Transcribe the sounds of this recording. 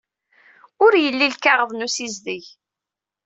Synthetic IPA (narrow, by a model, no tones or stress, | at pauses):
ʊɾjəlːilkaʁəðˤnusizðiʝ